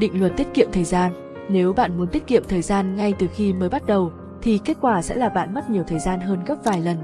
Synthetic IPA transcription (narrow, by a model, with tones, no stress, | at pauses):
ɗḭ̈˧˨ŋ̟lwə˨˩t̚t̪i˦˥ət̚kḭ˧˨əmt̪ʰəː˨˩jzaː˧n | ne˨˦wɓa̰ː˧˨nmu˨˦ənt̪i˦˥ət̚kḭ˧˨əmt̪ʰəː˨˩jzaː˧nŋa˧jt̪ɨ˨˩xi˧məː˨˦jɓa˦˥t̚ɗə˨˩w | t̪ʰi˨˩ke˦˥t̚kwaː˧˩sɛ̰˧˥laː˨˩ɓa̰ː˧˨nmə˦˥t̚ɲi˨˩əwt̪ʰəː˨˩jzaː˧nɦəː˧nɣə˦˥p̚vaː˨˩jlə˨˩n